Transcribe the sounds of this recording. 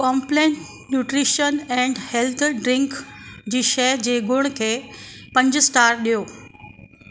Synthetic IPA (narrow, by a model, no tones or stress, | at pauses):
kɔːmplẽːɳʈ | njuːʈɾiʃənɛ̃ɳɖhelt̪ʰɖɾɪ̃ŋkd͡ʑiːʃɛd͡ʑeːɡʱʊɽ̃kʰeːpɐ̃ɲd͡ʑʊsʈaːɾɗijoː